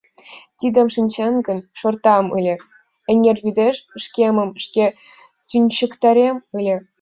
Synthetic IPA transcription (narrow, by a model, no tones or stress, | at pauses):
t̪ʲid̪ʲĕmʂinʲt͡ɕɑnɡɤ̆nʂŏrt̪ɑmɯlʲĕ | ɘ̆nʲerʲvʲyd̪ʲeʂʂkʲemɤ̆mʂkʲe | t̪ʲynʲɕɘ̆kt̪ɑɾʲemɯlʲĕ